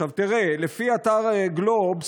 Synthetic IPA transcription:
avt̪iʁelefiat̪aʁeɡlob

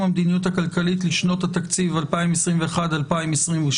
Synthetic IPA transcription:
mamd̪inijuthakalkalitliʃno̞that̪akt͡sivalpaimesʁimve̞eχadalpaimesʁimvuʃ

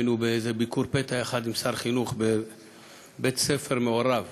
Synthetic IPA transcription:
nubeejzebikuɾpet̪aeχad̪imsaʁχinuχbe | bet̪sefe̞ʁmeoɾav

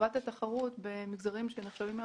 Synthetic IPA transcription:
at̪at̪aχaʁut̪bemiɡzaʁimʃeneχʃavim

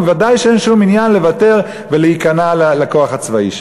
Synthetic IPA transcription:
vadajʃeenʃuminjanle̞vate̞ʁ | veleikanalalako̞aχat͡svaḭʃ

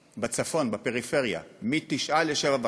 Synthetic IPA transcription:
bat͡safo̞nbapeʁife̞ʁja̰mit̪iʃaleʃevava

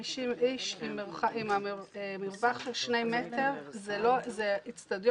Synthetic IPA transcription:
iʃimiʃimːiʁχaʔimamiemiʁvaχʃelʃnejmet̪eʁzelozeit͡stad̪j

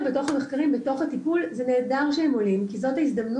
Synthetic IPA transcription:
beto̞χameχkaʁimbeto̞χhatipulzene̞ːdaʁʃehemo̞limkizo̞thaisd̪amn

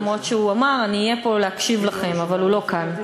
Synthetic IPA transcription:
mʁotʃeuamaʁaniːjepo̞leakʃivlaχe̞mavalulo̞kan

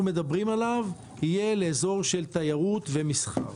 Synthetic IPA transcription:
ume̞d̪abʁimalav | hije̞leːzo̞ʁʃe̞lt̪ajaʁut̪ve̞misχa̰ʁ

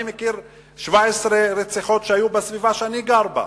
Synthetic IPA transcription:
imekiɾ | ʃvaesʁeɾet͡seχo̞t̪ʃeajubesvivaʃeaniɡaɾba̰

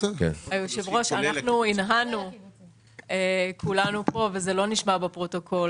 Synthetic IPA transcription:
kḛajoʃevʁoʃanaχnuinɦanu | ekʰulanupo̞vezelo̞niʃmabepʁo̞to̞kʰo̞l

